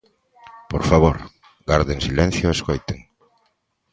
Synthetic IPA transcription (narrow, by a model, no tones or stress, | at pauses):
poɾfaβ̞oɾ | ɣaɾðeŋsilen̟θjoeskojt̪eŋ